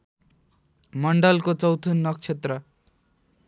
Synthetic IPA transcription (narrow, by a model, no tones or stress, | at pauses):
məɳɖəlkot͡sʌwt̪ʰunːʌkt͡ʃʰet̪ɾə